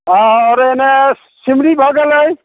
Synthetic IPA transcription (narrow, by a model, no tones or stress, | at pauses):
ɦãɔɾene | simɾibʱɔɡeləj